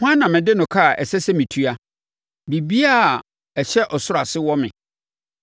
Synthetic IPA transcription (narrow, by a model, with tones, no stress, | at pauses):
hã˦nːã˨mɪ̃˨dɪ˦nʊ̃˨kʰa˦˨ʔɛ̰˨sɛ˦sɛ˦mĩ˨tʰu˦a˦ | bi˨bi˦a˦˨ | ɛ˨ɕɛ˦ʔɔ˨sʊ˦ɾa˨sɪ˦wɔ˦mɪ̰̃˨